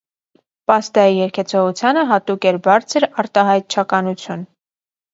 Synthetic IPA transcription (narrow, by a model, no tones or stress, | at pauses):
pɑst̪ɑijɛɾkʰɛt͡sʰɔʁut͡sʰjɑnəɦɑt̪ukɛɾbɑɾt͡sʰəɾɑɾt̪ɑɦɑjt̪̚t͡ʃʰɑkɑnut͡sʰjun